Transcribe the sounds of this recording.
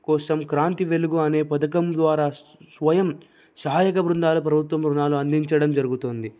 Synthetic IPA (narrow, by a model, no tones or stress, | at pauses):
kɔːsɐmkɾaːnt̪iʋe̞luɡuɐne̞ːpɐd̪ɐk̬ɐmd̪ʋaːɾaːsʋɐjɐm | sɐɦaːjɐkɐbɾund̪aːlup̬ɾɐbʱut̪ʋɐmɾunaːluɐnd̪iɲt͡ʃɐɽɐmd͡ʒɐɾuɡut̪oːnd̪i